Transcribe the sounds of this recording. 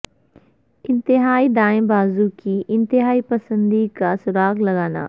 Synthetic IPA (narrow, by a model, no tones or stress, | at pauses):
ɪ̃nt̪ɪɦaːid̪aːɪ̃mbaːzũkiʔɪ̃nt̪ɪɦaːipɐsə̃nd̪ikasʊɾaːɡlɐɡaːna̰ː